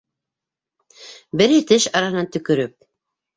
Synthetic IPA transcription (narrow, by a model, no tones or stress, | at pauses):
bɘ̆ɾɘt̪ɘʃɑɾɑhɤ̆nɑnt̪ɵ̆kɵ̆ɾɵp̚